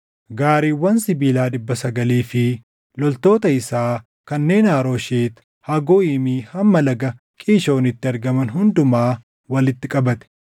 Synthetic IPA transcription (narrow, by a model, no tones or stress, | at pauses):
ɡaːɾiːwːɐnsɪbiːlaːᶑɪbːɐsɐɡɐliːfɪ | lɔlt̪o̞ːt̪ɐɪsaː | kɐnːe̞ːnaːɾo̞ːʃeːt̪ | hɐɡoːiːmiːhɐmːɐlɐɡɐ | kʼiːʃo̞ːnɪt̪ːɪɐɾɡɐmɐnɦʊnd̪ʊmaː | wɐlɪt̪ːɪkʼɐbɐt̪ɛ̥